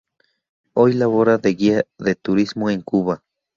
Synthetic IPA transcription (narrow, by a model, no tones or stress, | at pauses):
ojlaβoɾaðeɣiaðet̪uɾismoeŋkuβa